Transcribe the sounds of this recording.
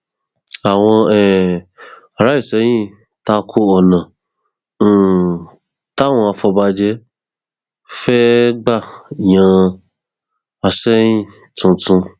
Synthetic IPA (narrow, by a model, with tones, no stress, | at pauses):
a˨w̃ɔ̃˧ɛ˦˨ | a˨ɾa˨˦i˦˨sɛ˨˦j̃ĩ˦ | ta˧˦kʰo˦ɔ˨nã˨˦˨ | ta˦˨w̃ɔ̃˧a˧fɔ˧ba˧d͡ʒɛ˦ | fɛ˦ɡ͡ba˦˨jã˧ | a˧sɛ˦j̃ĩ˦ | tũ˨˧tũ˧